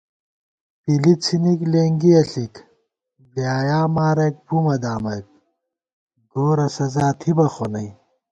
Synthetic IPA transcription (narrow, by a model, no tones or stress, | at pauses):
pilit͡sʰinikleːŋɡiɐɬik | bjaːjaːmaːɾɐk̚pumɐd̪aːmɐk̚ | ɡoːɾɐsɐzaːt̪ʰibɐxonɐj